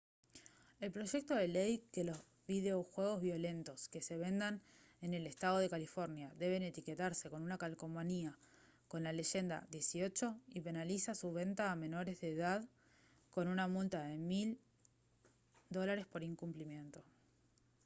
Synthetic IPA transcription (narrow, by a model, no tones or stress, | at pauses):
e̞lpɾo̞ʒe̞k̚t̪o̞ðe̞lejke̞lo̞z | βið̞e̞oxwe̞ɣ̞o̞zβjo̞le̞nt̪o̞ske̞se̞βe̞nd̪an | e̞ne̞le̞st̪að̞o̞ð̞e̞kalifo̞ɾnjaðe̞β̞e̞ne̞t̪ike̞t̪aɾse̞ko̞nunakalko̞mania | ko̞nlale̞ʃe̞nd̪a̰ðje̞sio̞t͡ʃo̞ipe̞nalisasuβ̞e̞nt̪aːme̞no̞ɾe̞zðeːðað | ko̞nunamult̪aðe̞mil | d̪o̞laɾe̞spo̞ɾiŋkumplimje̞nt̪o̞